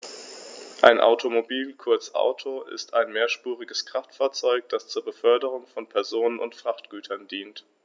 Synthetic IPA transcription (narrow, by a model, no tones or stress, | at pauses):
ʔaɪnʔa̰ʊtʰomobiːlkʰʊɐt͡sʔa̰ʊtʰoɪ̰staɪnmeːɐʃpuːʁɪɡəskʁ̥aftfaːɐt͡sɔʏk̚d̥ast͡suːɐbəfœɐdəʁ̞ʊŋfɔnpʰɛɐzoːnənʊ̰ntfʁ̥aχtɡ̥yːtʰɐndiːnt